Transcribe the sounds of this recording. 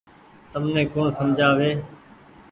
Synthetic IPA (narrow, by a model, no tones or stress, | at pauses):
t̪əmnẽːkõːnsəmd͡ʒʱaːʋeː